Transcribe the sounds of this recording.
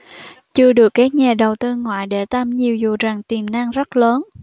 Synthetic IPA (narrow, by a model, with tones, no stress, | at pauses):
t͡ɕɨ˧əɗɨ˨˩əkːaː˦˥k̚ɲaː˨˩ɗə˨˩wt̪ɨ˧ŋwa̰ː˧˨jɗe˧˩t̪aː˧mɲi˨˩əwzu˨˩zaː˨˩ŋt̪i˨˩mna˧ŋzə˦˥t̚ləː˨˦n